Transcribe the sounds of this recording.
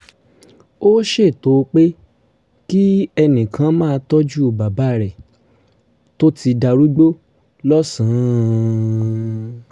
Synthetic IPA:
o˦ʃe˦˨to˨˧k͡pe˦ | ki˦ɛ˧nĩ˨kʰã˨˦mãː˦˧tɔ˦d͡ʒu˦o˧ba˨ba˨˦˨ɾɛ˨ | to˦tʰi˧da˧ɾu˦ɡ͡bo˦ | lɔ˦sũ˨˦˧

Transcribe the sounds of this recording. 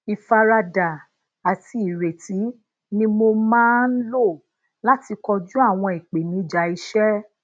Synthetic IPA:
i˨fa˧ɾa˧da˨ | a˨ti˧i˨ɾe˨ti˨˦ | nĩ˧mo˧mãː˦n̩˦lo˦˨ | la˦ti˧kɔ˧d͡ʒu˦a˦˨w̃ɔ̃˧i˨k͡pe˨nĩ˨˦d͡ʒa˨˦i˧ʃɛ˦

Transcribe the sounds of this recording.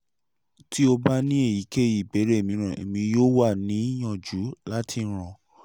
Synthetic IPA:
ti˦o˧ba˦nĩ˦e˦˨ji˨˦ke˦˨ji˨be˨˦ɾe˦e˨mĩ˧ɾ̃ã˨ḛ˨mĩ˧joː˦wa˦˨nĩ˨˦j̃ɔ̃˦˨d͡ʒu˨˦la˦tʰi˧n̩˦ɾ̃ɔ̃˧˨

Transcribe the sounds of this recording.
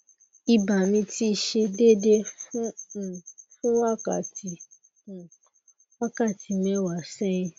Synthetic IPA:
i˧ba˨mĩ˧ti˦˧ʃe˧de˦˨de˦fũ˦˨ | fũ˦wa˦˨ka˨tĩ˧˨ | wa˦ka˦˨ti˨˦mɛ̃˧˦wa˨sɛ˦ĩ˧

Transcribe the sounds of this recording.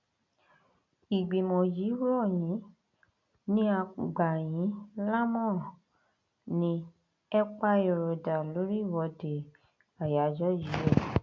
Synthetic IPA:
i˨ɡ͡be˨mɔ̃˨ji˨˦ɾɔ˦˨jĩ˨˦ | nĩ˦a˧ɡ͡ba˨j̃ĩ˨˦la˦mɔ̃˦˨ | nĩ˧ | ɛ˦k͡pa˦e˧ɾo˨da˨lo˨˦ɾi˦˨wɔ˧de˨ | a˨ja˨d͡ʒɔ˦ji˨˦ɛ˦˨

